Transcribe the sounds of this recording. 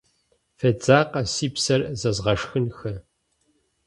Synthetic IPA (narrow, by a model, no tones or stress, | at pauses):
fɐd͡zaːqɐsiːpsɐrzɐzʁɐʂxɨnxɐ